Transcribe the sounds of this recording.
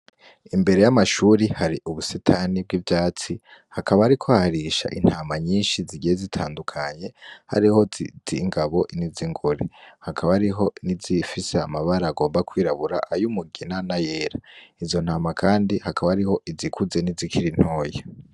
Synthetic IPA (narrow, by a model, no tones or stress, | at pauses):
imbe̞ɾe̞jamaʃuːɾihaɾiʔuβusetʰanib̚ɡivjaːt͡si | hakaβaːɾikʰoahaɾiʃa̰ʔḭn̥haːmaɲiːnʃiziɟijezitʰaːndukʰaɲe̞ha̰ɾiho̞d͡ziŋɡaβo̞ʔniziŋɡoɾehakʰaβaɾiɦo̞nizifise̞amaβaɾaːɡo̞ːmbakwiːɾaβuɾa̰ʔajumuɡinanaje̞ːɾaizo̞nhaːmakʰaːndihakaβahaɾiho̞ʔizikʰuze̞nizikiɾin̥ho̞ːje